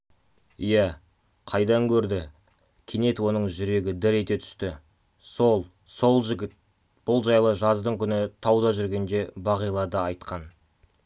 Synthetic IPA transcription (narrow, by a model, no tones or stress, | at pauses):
ijæ | qʰɑjd̪ɑŋkʲʰɵɾd̪ɪ | kʲʰene̞t̪wo̞nəɴʒʏɾe̞ɡʲɪd̪ɪɾe̞t̪e̞t̪ʰʏ̥st̪ɪ | solˠ | so̞lˠʒɪɡʲɪt̪̚ | b̥ʊlˠʒɑjlˠəʒɑzd̪əŋkʲʰʏnɪt̪ʰɑwd̪ɑʒʏɾɡʲe̞nd̪e̞bɑʁijlˠɑd̪əɑjt̪qɑn